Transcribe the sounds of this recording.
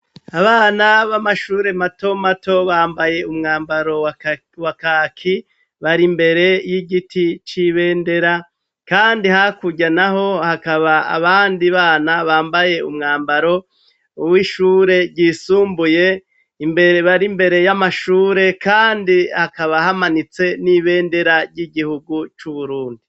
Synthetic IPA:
aβaːnaβamaʃuːɾe̞mato̞mato̞βaːmbaje̞umŋaːmbaɾo̞ | wakakʰi | βaɾimbe̞ɾe̞jiɡitit͡ʃiβe̞ːnde̞ɾa | kaːndihakuɟanaɦo̞hakaβaa̰βaːndiβaːnaβaːmbaje̞umŋaːmbaɾo̞ | wiʃuːɾe̞ɟisuːmbuje̞ | imbeɾeβaɾimbe̞ɾe̞jamaʃuːɾe̞kaːndihakaβahamanit͡se̞niβe̞ːnde̞ɾaɾjiɡihuɡut͡ʃuβuɾuːndi

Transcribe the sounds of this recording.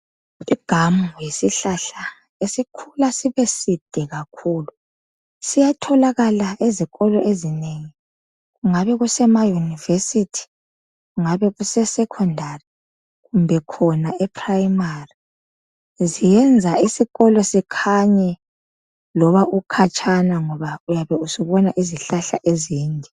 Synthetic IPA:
iɡ̥ʱamjesiɬaɬa | esikʰulasiβesid̥ʱɛɣakʰuːlu | sijatʰɔlaɣalaʔeziɣɔlɔʔezineŋi | ɣuŋaβɛɣusɛmajunivesitʰi̥ | ɣuŋaβɛɣusɛsɛkʰɔndʱari | ɣumbʱɛkʰɔnaɛpʰrajmari | zijɛnd͡zʱaisiɣɔlɔsikʰaɲɛ | lɔβaʔukʰat͡ʃʼʰanaŋɔβaujaβɛusiβɔnaʔiziɬaɬa̰ʔeziːndʱɛ

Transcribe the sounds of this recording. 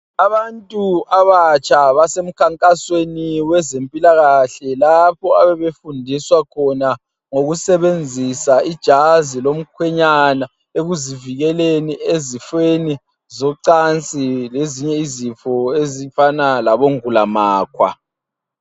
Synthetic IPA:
aβantʼuaβat͡ʃʰʼaβasem̩kʰaŋkʼasweniwɛzempʼilaɣaɬɛlapʰɔaβɛβefundʱiswakʰɔna | ŋoɣusɛβend͡zʱisaid̥ʒ̥ʱazilom̩kʰwɛɲana | eɣuziviɣɛleniezifeni | zɔǀant͡sʼileziɲɛizifɔezifanalaβoŋulamaːkʰwa̰

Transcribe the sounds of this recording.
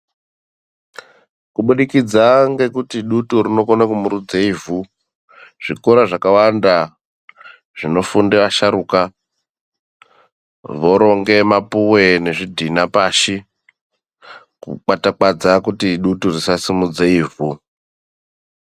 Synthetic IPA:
kuɓuɗikid͡zaŋɡe̞kutiɗutuɾino̞konakumuɾud͡zeivu | ʐ̥ikoɾaʐakawanda | ʐ̥ino̞fundeʋaʃaɾuːka | ʋo̞ɾo̞ŋɡe̞mapuwe̞ne̞ʐidʱinapaʃi | kṵk͡patak͡pad͡zakutiɗuturisasimud͡zeivu

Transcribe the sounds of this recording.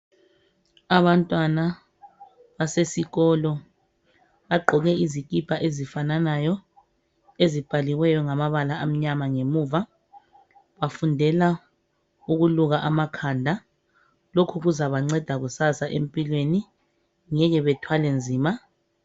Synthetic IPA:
aβantʼwana | βasesiɣɔlɔ | βaɡ͡ǃʱɔɣɛizikʼipʰaʔezifananajɔ | ezib̥ʱaliwɛjɔŋamaβalaam̩ɲamaŋemuːva | βafundʱɛla | uɣuluɣaʔamakʰandʱa | lokʰuɣuzaβaŋ͡ǀɛd̥ʱaɣusasaʔempʼilweni | ŋɛɣɛβɛtʰwalend͡zʱiːma

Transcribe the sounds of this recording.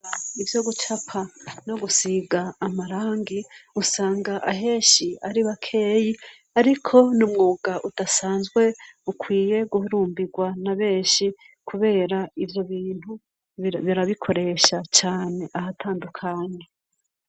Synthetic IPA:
aivjo̞ɡut͡ʃapʰano̞ɡusiɡaːmaɾaːŋɡiusaːŋɡaʔaɦe̞ːʃiaɾiβakʰe̞ːji | aɾikʰo̞numŋuːɡaʔutasaːnzɡwe̞ukʰwiːje̞ɡuhuɾuːmbiɡwanaβe̞ːʃi | kʰuβe̞ːɾaivjo̞βiːn̥hu | βiɾaβikʰo̞ɾe̞ʃat͡ʃaːne̞ʔahatʰaːndukʰaɲe

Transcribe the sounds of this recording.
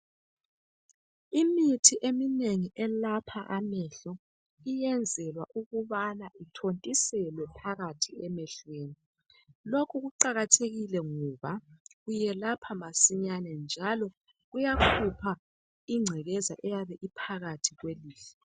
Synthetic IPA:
imitʰiʔemineŋiʔɛlapʰaʔamɛɬɔ | ijɛnd͡zʱɛlwaʔuɣuβanaʔitʰontʼisɛlwɛpʰaɣatʰiɛmɛɬweːni | lokʰuɣuǀaɣatʰeɣilɛŋɔβaɣujɛlapʰamasiɲanɛnd͡ʒʱalɔ | ɣujakʰupʰa | iŋ͡ǀʱɛɣɛzaʔɛjaβɛʔipʰaɣatʰiɣweliːɬɛ

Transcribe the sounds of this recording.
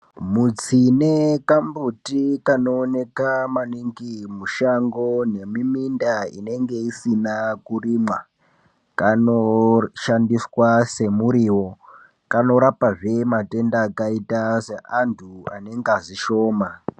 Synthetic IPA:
mut͡sinekambutikano̞ːne̞kamaniŋɡimuʃaŋɡo̞ne̞mimindaḭne̞ŋɡe̞isinakurimwa | kanoʃandiswase̞muɾiwo̞ | kano̞ɾapaʐe̞mate̞ndaːkaitase̞ʔantʰua̰ne̞ŋɡaziʃo̞ːma

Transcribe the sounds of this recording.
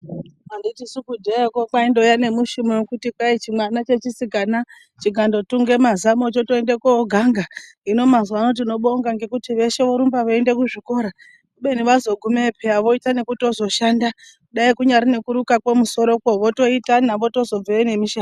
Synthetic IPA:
anditisukudʱeakokaindo̞jane̞muʃimewekutikait͡ʃimwanat͡ʃe̞t͡ʃisikana | t͡ʃiɡʱando̞tuŋɡe̞mazamo̞t͡ʃo̞to̞endekoːɡʱaŋɡa | ino̞mazano̞t̬ino̞ɓoŋɡaŋɡe̞kutiʋe̞ʃe̞ʋoɾumbaʋoende̞kuʐiko̞ɾa | kuɓe̞niʋazo̞ɡʱumepʰeaʋo̞itane̞kuto̞zo̞ʃanda | kuɗaikuɲaɾine̞kuɾukakwe̞muso̞ɾo̞koʋo̞to̞itanaʋo̞to̞zo̞b͡veene̞miʃa

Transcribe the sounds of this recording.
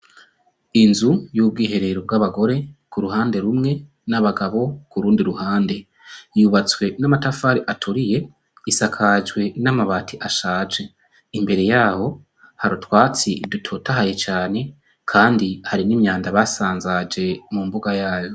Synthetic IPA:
inzujuːb̚ɡiːɦe̞ɾe̞ɾob̚ɡaβaɡo̞ɾe̞kuɾuɦaːnde̞ɾumŋe̞ | naβaɡaβo̞kuɾuːndiɾuhaːnde̞ | juβat͡swe̞namatafaːɾiʔatʰuɾije̞ | isakʰad͡ʒwe̞namaβaːtʰiʔaʃaːd͡ʒe | imbe̞ɾe̞jaːho̞ | haɾutwaːt͡siidutʰo̞taɦaje̞t͡ʃaːne̞ | kʰaːndihaɾinimɲaːndaβasaːnzad͡ʒe̞mumbuɡajaːjo̞

